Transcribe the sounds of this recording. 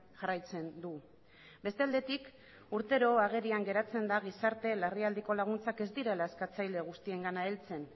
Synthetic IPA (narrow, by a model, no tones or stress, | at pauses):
ʝarajt͡se̞nd̪u | be̞st̪eald̪e̞t̪ik | uɾt̪e̞ɾo̞aɣ̞e̞ɾiaŋɡe̞ɾat͡se̞nd̪aɣ̞isaɾt̪e̞lariald̪iko̞laɣ̞unt͡sake̞zd̪iɾe̞laeskat͡sajle̞ɣ̞ust̪ie̞ŋɡanaelt͡se̞n